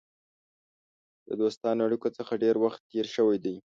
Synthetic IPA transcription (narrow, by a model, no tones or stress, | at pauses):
d̪̥ə̰d̪ost̪ɑnaɽikot͡səxaɖeɾwaxt̪ːeɾʃəwajd̪aj